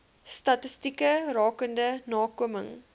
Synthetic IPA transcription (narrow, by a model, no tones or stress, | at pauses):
stɐtəstikərɑːkəndənɑːkuməŋ